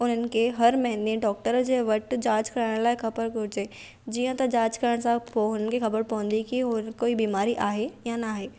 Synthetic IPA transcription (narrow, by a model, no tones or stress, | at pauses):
ʊn̤ənɪ̆kʰeɦɐɾmɐɦɪ̃nd̪ẽɖɔːk̚ʈəɾd͡ʑeːʋɐʈd͡ʑaːd͡ʑkɐɾaɪɽ̃laːɪxɐbəɾɡʊɾɪd͡ʑeː | d͡ʑiːə̃t̪ɐd͡ʑaːd͡ʑkɐɾəɽ̃sãpoɦʊn̤ən̆kʰexɐbəɾpɐɦə̃nd̪ikiʊnkoːibiːmaːɾiʔaːɦejanaːɦeː